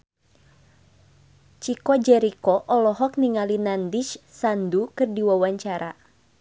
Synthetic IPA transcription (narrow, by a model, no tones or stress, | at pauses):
t͡ʃikɔd͡ʒɛɾikɔʔɔlɔɦɔk̚niŋalinandit͡ʃsandukɨrdiwawaɲt͡ʃaɾʔa